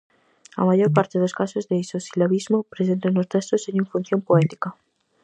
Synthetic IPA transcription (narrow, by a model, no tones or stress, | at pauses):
a̰maʝoɾpaɾt̪eðoskasozðeisosilaβizmopɾesent̪enost̪est̪oseɲũɱfun̟θjompoɛt̪i̥ka